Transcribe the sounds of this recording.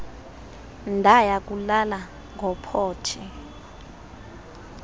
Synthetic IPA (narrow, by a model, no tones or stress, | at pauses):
ndʱajak̬ʼulala | ŋɡʱɔpʰɔːtʰi